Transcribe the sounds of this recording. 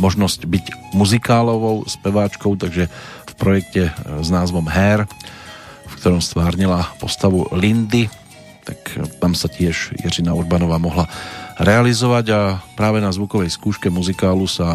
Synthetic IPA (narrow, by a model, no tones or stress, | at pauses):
mɔʒnɔscbiɟmuzikaːlɔʋɔʊspɛʋaːt͡ʃkɔʊt̪aɡʒɛfpɾɔjɛkcɛznaːzʋɔmɦɛːɾ | fkt̪ɔɾɔmst̪ʋaːɾɲilapɔst̪aʋulind̪i | t̪akt̪amsacɪɛʒjɛ̰ɾinauɾbanɔʋaːmɔɦlaɾɛalizɔʋaɟapɾaːʋɛnazʋukɔʋɛjskuːʃkɛmuzikaːlusa